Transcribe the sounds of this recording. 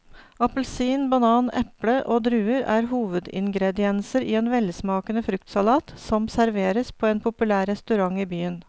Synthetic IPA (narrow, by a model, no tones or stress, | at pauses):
ɑpəlsiːnbɑnɑːnɛ̰pləʔoːd̪ɾʉːəɾæ̰ːɾɦuːʋəd̪ɪ̰ŋɡɾɛd̪ɪɛnsəɾiːeːnʋɛlsmɑːkənəfɾʉk̚t̪sɑlɑːt̪sɔmsæɾʋeːɾəspʰoːeːnpʰʊpʉlæːɾɛst̪ʉɾɑŋiːbyːən